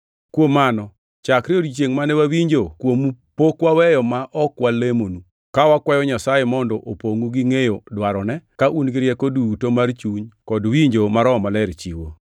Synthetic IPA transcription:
kwomanɔ | t͡ʃakɾioɾit͡ʃeŋmanɛwawiɲd͡ʒokwomu | pokwawɛjɔmaʔɔkwalemonu | kawakwajɔɲasajemɔndɔʔopoŋuɡiŋejodwaɾɔnɛkaʔunɡɪɾjɛkodutomart͡ʃuɲkɔdwiɲd͡ʒomaɾɔmalɛɾt͡ʃiwo̰

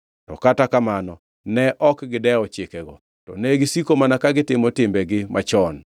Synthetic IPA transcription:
tɔ̰katakamanɔ | nɛʔɔkɡɪdɛɔt͡ʃɪkɛɡɔ̰ | tɔ̰nɛɡɪsikomanakaɡɪtɪmɔtɪmbɛɡɪmʔat͡ʃɔn

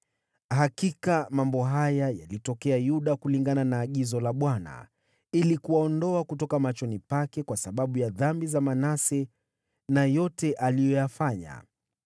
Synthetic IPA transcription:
hakikamambɔɦajaja̰litɔkɛajuɗakuliŋɡananaːɠizɔlaɓwana̰ | ilikuwaɔndɔakutɔkamat͡ʃɔnipakɛkwasaɓaɓujaðambizamanasɛ | najɔtɛʔalijɔjafaɲa̰

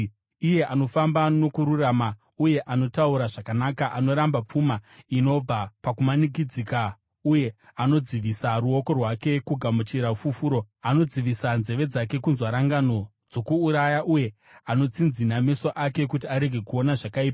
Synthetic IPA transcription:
ije̞ʔano̞fambano̞kuɾurama | uje̞ʔano̞tauɾaʐakanakaʔano̞ɾambap͡fumaino̞b͡vapakumanik̬id͡zika | uje̞ano̞d͡ziʋisaɾuo̞ko̞rwake̞kuɡʱamut͡ʃiɾafufuːɾo̞ | ano̞d͡ziʋisanze̞ʋe̞d͡zake̞kunzwaɾaŋɡano̞ | d͡zo̞kuːɾajaʔuje̞ | ano̞t͡sind͡ziname̞soʔake̞kutiaɾe̞ɡʱe̞kuo̞naʐakaiːpa

